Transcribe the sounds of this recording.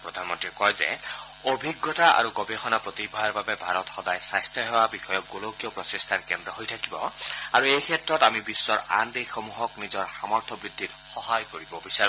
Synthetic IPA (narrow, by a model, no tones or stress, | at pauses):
pɹɔd̪ʱanmɔntɹikɔjzɛ̰ | obʱiɡːɔtaʔa̰ɹukɔbexɔnapɹɔt̪ibʱaaɹbabɛbʱaɹɔt̪ɔxɔdajsajst̪ʰjɔɦewabixɔjɔk̚ɡolowkiɔpɹɔtist̪ʰankɛndɹɔɦojtʰakibɔaɹuejkʰɛtɹɔtamibisːɔɹa̰ndejxɔmuɦɔknizɔɹxamɔɹt̪ʰɔbɹid̪ʱːit | xɔɦajkoɹibɔbisaɹi